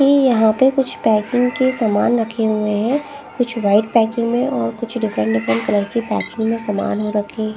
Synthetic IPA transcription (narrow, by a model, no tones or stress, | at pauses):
kijɐɦãpekʊt͡ʃʰpɛːkɪ̃ŋɡkesaːmaːnɾɐkʰeɦueɦɛ̃ | kʊt͡ʃʰʋaːɪʈ̚pɛːkɪ̃ŋɡmẽʔɔːɾkʊt͡ʃʰɖɪfɾə̃ɳʈɖɪfɾə̃ɳʈ̚kɐləɾkipɛ̰ːkɪ̃ŋɡmẽsama̰ːnɦoɾɐkʰẽɦ